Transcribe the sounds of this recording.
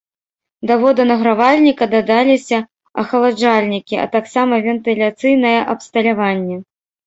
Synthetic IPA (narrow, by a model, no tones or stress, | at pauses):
d̪avɔd̪ɐnɐɣɾavalʲnʲikɐd̪ad̪alʲisʲɐ | ɐxɐlˠad͡ʐalʲnʲikʲiʔɐ̰t̪aksamɐvʲɛnt̪ɨlʲat̪sɨjnɐjɛʔɐpst̪ɐlʲavanʲːɛ